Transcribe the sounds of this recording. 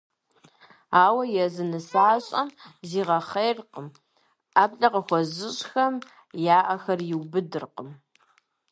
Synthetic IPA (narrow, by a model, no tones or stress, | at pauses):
aːwɐjɛzɨnɨsaːɕʼɐmziːʁɐχejrqəm | aːbɬʼɐqɐxʷɔzɪɕʼxɐm | jaːʔɐxɐrjɪwbɨdɨrqəm